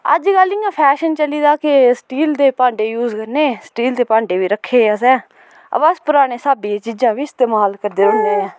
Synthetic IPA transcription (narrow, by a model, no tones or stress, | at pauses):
ə̰d͡ʒɡəlɪ̃ːãːpʰɛːʃənt͡ʃəliːd̪aːkɪsʈiːld̪eːpãːɳɖeːjuːzkəɾneːsʈiːld̪eːpãːɳɖeːʋiːɾəkʰːeːəs̬ɛ̃ː | ə̰bəspʊɾaːɽ̃eːsaːbĩːt͡ʃiːd͡ʒãːʋiːɪst̪eːmaːlkəɾd̪eːɾʊnd̪eːɛ̃ː